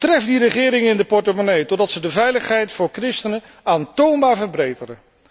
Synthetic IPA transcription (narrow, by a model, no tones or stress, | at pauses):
trɛfdirəχɪːɾɪŋɪndəpɔɹtəmonejtɔdɑtsədəvɛjləχɦɛjtfʊːɹkrɪstənə | aːntownbaːɹvəɹbrejtərə